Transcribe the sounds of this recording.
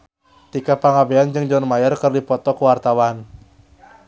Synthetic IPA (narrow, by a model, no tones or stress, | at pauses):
t̪ikapaŋabeand͡ʒɨŋd͡ʒɔnmajərkɨrdipɔt̪ɔkuwart̪awan